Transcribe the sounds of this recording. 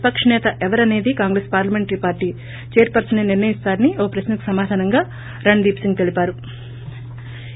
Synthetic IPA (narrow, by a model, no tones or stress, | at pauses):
pɐkʂɐnɛːt̪ɐʔɛʋɐɾɐne̞ːd̪ikaːŋɡɾespaːɾlɐmeɳʈɾipaːɾʈiː | t͡ʃeːɾpɐɾsɐneniɾnɐjist̪aːɾɐnioːpɾɐʃnɐku̥sɐmaːd̪ʱaːnɐŋɡaː | ɾɐɳd̪iːpsiŋɡt̪e̞lipaːɾu